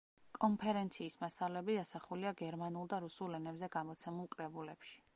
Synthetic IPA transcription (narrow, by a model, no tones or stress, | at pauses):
kʼɔnpʰɛɾɛnt̪sʰiːsmasalɛbid̪asaχuliaɡɛɾmanulˠd̪aɾusulɛnɛbzɛɡamɔt̪sʰɛmulˠkʼɾɛbulɛpʃi̥